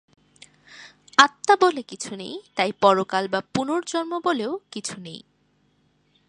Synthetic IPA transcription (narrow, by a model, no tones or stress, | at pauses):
at̪ːabolekit͡ɕʰunḛjt̪ajpɔɾokalbapunoɾd͡ʑɔnmoboleokit͡ɕʰunḛj